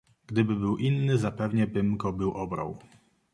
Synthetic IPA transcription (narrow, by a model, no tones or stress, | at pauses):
ɡ̥d̪ɘbɘbɘwʔinːɘzapɛvɲɛbɘmɡɔbɘwʔɔbɾa̰w